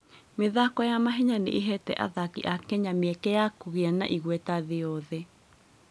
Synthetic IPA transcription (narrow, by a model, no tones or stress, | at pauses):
meðakɔjamaɦɛɲanḛʔeɦɛtɛ̰ʔa̰ðakiʔakɛɲameɛkɛjakuɣeana̰ʔiɣwɛtaðeɔðɛ